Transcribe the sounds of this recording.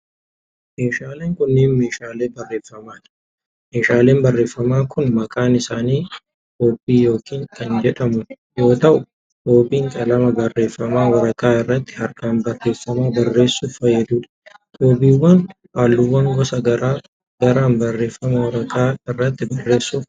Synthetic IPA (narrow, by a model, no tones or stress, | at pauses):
me̞ːʃaːleːŋkʊnːeːnme̞ːʃaːleːbɐrːe̞ːfːɐmaːᶑɐ | meːʃaːle̞ːmbɐrːe̞ːfːɐmaːkʰʊnmɐkʼaːnɪsaːniː | t̪oːbiːjo̞ːkiːŋkɐnd͡ʒɛᶑɐmʊ | jo̞ːt̪ɐʔʊ | t̪o̞ːbiːŋkʼɐlɐmɐbɐrːe̞ːfːɐmaːwɐɾɐkaːɪrːɐt̪ːɪ̥hɐɾkʼaːnbɐrːe̞ːfːɐmaːbɐrːe̞ːsːuːfɐjːɐd̪uːᶑɐ̥d̪oːbiːwːɐn | aːlːʊwːɐŋɡɔsɐɡɐɾaː | ɡɐɾaːnbɐrːe̞ːfːɐmɐwɐɾɐkaːɪrːɐt̪ːɪbɐrːe̞ːsːuː